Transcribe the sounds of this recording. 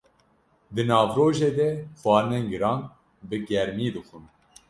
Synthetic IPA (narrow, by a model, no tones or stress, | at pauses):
d̪ɨnɑːvɾoːʒeːd̪ɛxwɑːneŋɡɨɾɑ̃ːŋɡ | bɨɡɛɾmiːd̪ɨxun